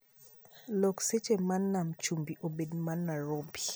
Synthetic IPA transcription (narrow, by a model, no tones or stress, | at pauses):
lɔkset͡ʃemanːamt͡ʃumbiʔobedmanːaɾobi